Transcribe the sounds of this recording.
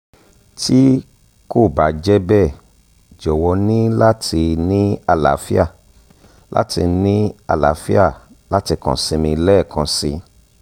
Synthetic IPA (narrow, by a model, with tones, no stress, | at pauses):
ti˦ | ko˦˨ba˨d͡ʒɛ˦bɛ˦˨ | d͡ʒɔ˨wɔ˧nĩ˦la˦tʰi˧nĩ˦a˧la̰˨˦fi˦a˦˨ | lʔa̰˦ti˧nĩ˦a̰˧˨la̰˨˦fi˦a˦˨ | la˦ti˧kã̰˨sĩ˧mĩ˧lɛ˦˨kʰã˧sḭ˧